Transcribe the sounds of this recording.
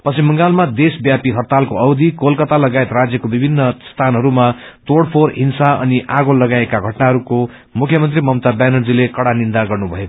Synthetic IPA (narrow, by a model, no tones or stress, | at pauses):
pʌsimːʌŋɡalmad̪esbjapiɦʌrt̪alkoʌwd̪ikolkʌt̪alʌɡaet̪rad͡zjʌkobibʱinːʌst̪ʰanɦʌɾumat̪oɽpʰorɦinsaʌ̰niʔaɡolːʌɡaekaɡʱʌʈnaɦʌɾuko | mukʰjʌmʌnt̪rimʌmt̪abanʌd͡zilekʌɽanind̪aɡʌrnubʱʌe